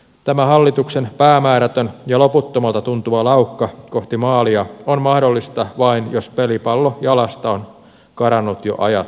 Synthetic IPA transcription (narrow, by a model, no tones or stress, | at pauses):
t̪æmæhɑlːit̪uksenpæːmæːɾæt̪ønjɑlo̞put̪ːomɑlt̪ɑt̪unt̪uʋɑlɑukːɑko̞ht̪imɑːliɑonmɑhdolːist̪ɑʋɑinjospelipɑlːojɑlɑst̪ɑon | kɑɾɑnːut̪jo̰ʔɑ̰jɑt̪